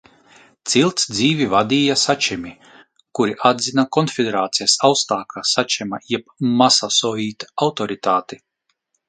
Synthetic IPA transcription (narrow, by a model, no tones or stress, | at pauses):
t̪silˠt̪sd̪ziːvʲivad̪iːjasat͡ʃɛmʲi | kuɾiʔad̪zinakɔnfʲid̪eɾaːt̪sijasawst̪aːkʰasat͡ʃɛma̰jɛpmasasɔːjiːt̪awt̪ɔɾit̪aːt̪i